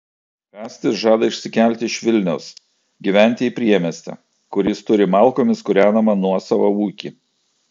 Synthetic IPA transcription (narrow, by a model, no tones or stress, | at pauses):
pʲæːsʲt̪ʲɪsʒɑːd̪ɐɪʃʲsʲɪkʲælʲt̪ʲɪɪʃʲʋʲɪlʲnʲɛʊs | ɡʲiʋʲæˑnʲt̪ʲɪiːpʲɾʲiɛmʲɛsʲt̪ʲɛ̰ | kʊɾʲɪst̪ʊɾʲɪmɑˑlˠkoːmʲɪskʊɾʲæːnɐmɐnuɔsɑʋɐuːkʲiː